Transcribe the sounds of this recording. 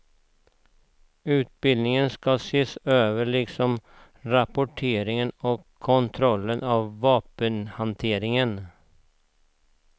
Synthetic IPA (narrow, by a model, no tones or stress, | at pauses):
ʉːt̪̚bɪld̪nɪŋənskɑseːsøːʋəɭɪɡsɔm | ɾɑpʊʈʰeːɾɪŋənɔkʰːɔnt̪ʰɾɔlːənʔɑʋːɑːpənhɑnt̪ʰeːɾɪŋən